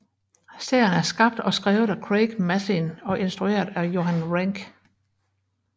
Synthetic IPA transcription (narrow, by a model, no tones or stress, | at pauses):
se̝ɐ̰jənæɐsɡ̥ɑ̈b̥̚d̥ɒ̽sɡ̥ʁɛːʊð̩ˠækʰʁeɡ̥mæθinɒ̽ʔe̝nsd̥ʁue̝̰ɐðˠæjo̝ɦænʁæŋɡ̥